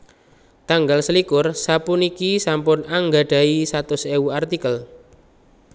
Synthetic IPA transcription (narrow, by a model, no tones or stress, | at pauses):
t̪aŋɡalsəlikʊrsapʊnikisampʊnaŋɡa̤ɖ̥a̤isat̪ʊseuart̪ikəl